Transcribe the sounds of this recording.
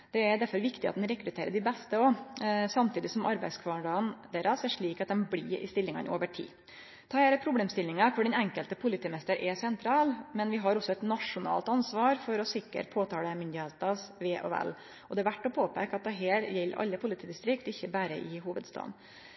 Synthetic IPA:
d̪̥ɛæɾd̪æɾfɔɾʋɪkt̪ɪʔɑt̪nɾɛkɾʉt̪ʰeːɾəɖɪbɛst̪əɔsɑmt̪ʰiːd̪ɪsɔmʔɑɾbæɪskʰʋɑːɳɖɑənd̪eːɾɑsɛʂɭiːkɑt̪̚d̪ɛnblḭːɾɪ̰st̪ɪlːɪŋɑ̰no̰ːʋəʈʰḭː | t̪ʰɑːheːɾəpʰɾʊbleːmst̪ɪlːɪŋɑkʰʊɖɛnɛŋkəlt̪əpʰʊlɪt̪iːmɛst̪əɾʔɛsɛnt̪ʰɾɑːlmɛnʋɪɦɑɾɔsːɔɛt̪nɑʂʊnɑ̰ːlt̪ɑnsʋɑːɾfɔɾɔsɪkːə̰ʈpʰoːt̪ʰɑːləmʏnd̪ɪheːt̪ɑsʋeːʔɔ̰ɛ̰l | ɔd̪ɛæɾʋæʈːɔpʰoːpeɪkɑt̪̚d̪ɛɦeːɾjɛlːɾʔɑ̰lːəpʰʊlɪt̪iːd̪ɪst̪ɾɪkt̪ɪçːəbæːɾə̰ʔɪɦuːʋəd̪st̪ɑ̰ːd̪n

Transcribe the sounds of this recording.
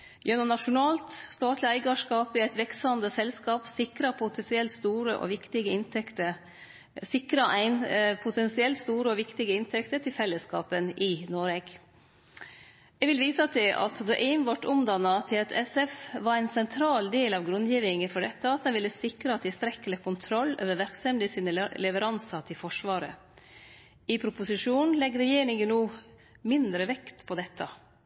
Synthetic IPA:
jœnʊnɑʂʊnɑːlt̪st̪ɑːt̪lɪæɪɡɑʂkɑːpɪæɪt̪ʋɛksɑnd̪əsɛlskɑːpsɪkɾɑpʰʊt̪ʰɛsɪɛlt̪st̪uːɾəʔɔ̰ʋɪkt̪ɪɡəɪnt̪ʰɛkt̪ə | sɪkɾɑʔæɪnpʰʊt̪ʰɛnsɪɛlt̪st̪uːɾəɔʋɪkt̪ɪɡəɪnt̪ʰɛkt̪əʈʰɪlfɛlːəskɑ̰ːpənʔɪnoɾɛɡ | ɛʋɪlʋiːsɑt̪ʰɪʔɑ̰t̪d̪ɔʔɛɪnʋɑʈːʊmd̪ɑnːɑt̪ʰɪlt̪ʰɛsɛfʋɑɾæɪnsɛnt̪ʰɾɑːld̪eːlɑʋɡɾʉnd̪jiːʋɪŋəfɔɖɛt̪ːəɑt̪̚d̪ɛnʋɪlːəsɪkɾəɑt̪d̪ɪst̪ɾɛkːəlɛkʊnt̪ʰɾɔlːø̰ːʋəʋæɾksɛmd̪ɪsinəlɛʋəɾɑnsɑt̪ʰɪlfɔʂʋɑːɾə̰ | ɪpʰɾʊpʊsɪʂuːnnlɛɡɾɛjeːɾɪŋənnuː | mɪnd̪ɾəʋɛkt̪pʰɔd̪ɛt̪ʰːə

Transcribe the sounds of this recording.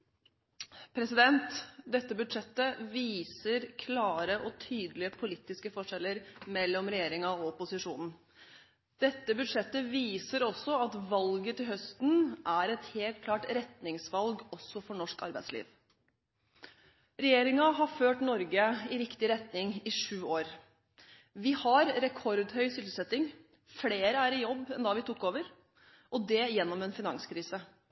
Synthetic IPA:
pʰɾɛsɪd̪ɛnt̪d̪ɛt̪ːəbʉd̪ʂɛt̪ːəʋiːsəɾkʰlɑːɾəʔɔt̪ʰyːd̪lɪəpʰʊliːt̪ɪskəfɔʂɛlːəɾmɛlːɔmɾɛjeːɾɪŋɑɔɔpʊsɪʂuːnn̩ | d̪̥ɛt̪ːəbʉd̪ʂɛt̪ːəʋiːsəɾɔsːɔɑt̪ʋɑlɡət̪ɪlɦœst̪nʔæɾɛt̪heːlt̪̚kʰlɑːʈɾɛt̪nɪŋsʋɑlɡɔsːɔfɔɳɔʂkɑ̰ɾbæɪslḭːʋ | ɾɛjeːɾɪŋɑɦɑføːʈnɔɾɡəɪɾɪkt̪ɪɾɛt̪nɪŋɪʂʉːoːɾ | ʋɪhɑɾɾɛkʰɔɾd̪hœʏsʏlt̪əsɛt̪ːɪŋ | fleːɾəæɾɪjɔbːɛnd̪ɑːʋɪt̪ʰʊkːoːʋəɾ | ʔɔd̪ɛjɛnːɔmɛnfɪnɑŋskʰɾiːsə

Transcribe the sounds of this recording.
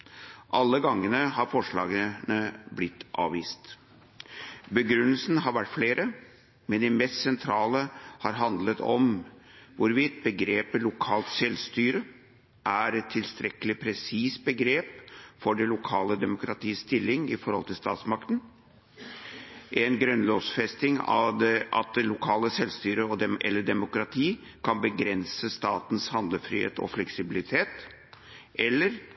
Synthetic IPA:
ʔɑlːəɡɑŋːənəhɑɾfɔʂɭɑ̰ːɡəənəblɪt̪ʰːʔɑ̰ːʋiːst̪ | bəɡɾʉnːəlsnɦɑɾʋæʈːfleːɾʔə | mɛnd̪ɪmɛst̪sɛnt̪ʰɾɑːləhɑ̰ɾɦɑnd̪lət̪ʰɔ̰mʋʊɾʋiːt̪̚bəɡɾeːpəlʊkʰɑːlt̪sɛlst̪yːɾə | ʔæɾɛt̪ʰːɪlst̪ɾɛkəlɪpʰɾɛsiːs̚bəɡɾeːpfɔɖɛlʊkʰɑːləd̪ɛmʊkɾɑt̪ʰiːst̪ɪlːɪŋɪ̰fɔɾhɔlt̪ʰɪlst̪ɑ̰ːt̪smɑkt̪ən | ʔɛnɡɾœnloːsfɛst̪ɪŋɑ̰d̪ɑ̰t̪̚d̪ɛlʊkʰɑːləsɛlst̪yːɾəɔʔɛ̰lːəɖɛmʊkɾɑt̪ʰiː | kʰɑnbəɡɾɛnsəst̪ɑːt̪n̩shɑnd̪ləfɾiːhḛːt̪ɔ̰flɛksɪbɪlɪt̪ʰeːt̪ | ʔɛlːəɾ

